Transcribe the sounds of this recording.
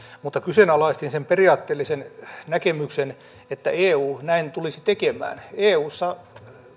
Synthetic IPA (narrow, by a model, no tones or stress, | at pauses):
mut̪ːɑkysenɑlɑist̪insemperiɑːt̪ːeːlːisennækemyksen | et̪ːæ̰eːuːnæint̪ulisit̪ekemæ̰ːneːuːsːɑ